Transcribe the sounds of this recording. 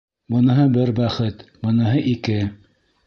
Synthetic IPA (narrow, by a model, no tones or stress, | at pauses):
bɤ̆nɤ̆ɦɤbɘɾbæχɘt̪bɤ̆nɤ̆ɦɤʔikɘ